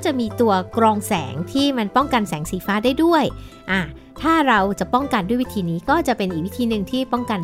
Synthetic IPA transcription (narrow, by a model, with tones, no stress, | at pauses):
t͡ɕa˨˩ʔmiː˧t̪u˧ɐkɾɔː˧ŋsɛ̰ː˩˦ŋt̪ʰiː˥˩ma˧npɔ˥˩ŋka˧nsɛː˩˦ŋsiː˩˦faː˦˥daː˥˩jdu˥˩əjʔaː˧˩ | t̪ʰaː˥˩ɾa˧wt͡ɕa˨˩pɔ˥˩ŋka˧ndu˥˩əjwi˦˥t̪ʰiː˧niː˦˥kɔː˥˩t͡ɕa˨˩ʔpe˧nʔiː˨k̚wi˥t̪ʰiː˧nɯ˨˩ŋt̪ʰiː˥˩pɔ˥˩ŋka˧n